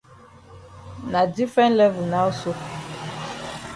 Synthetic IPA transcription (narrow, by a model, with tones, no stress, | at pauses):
na˨di˦fɛ˦n˦lɛ˦vu˨na˦u˦so˦